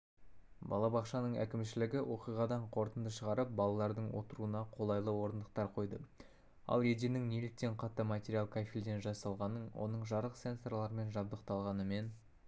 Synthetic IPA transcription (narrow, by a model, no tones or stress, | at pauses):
bɑ̰lˠɑbɑχʃɑnəɴæ̰kʲɪmʃɪlɪɡʲɪwʔo̞qijʁɑd̪ɑɴqʰo̞ɾt̪ənd̪əʃəʁɑɾəp̚bɑlˠɑlˠɑɾd̪əɴwo̞̰t̪əɾuənɑqʰo̞lˠɑjlˠəwo̞ɾənd̪əq̚t̪ɑɾqʰo̞jd̪ə | ɑ̰lˠe̞d̪e̞nɪŋnelɪk̚t̪e̞ɴqʰɑt̪ːəmatʲeɾʲijɑlˠkʰafʲild̪e̞nʒɑsɑlˠʁɑnəɴwʔo̞̰nəɴʒɑɾəqsensrlˠɑɾəme̞nʒɑb̚d̪əqt̪ɑlˠʁɑnəme̞n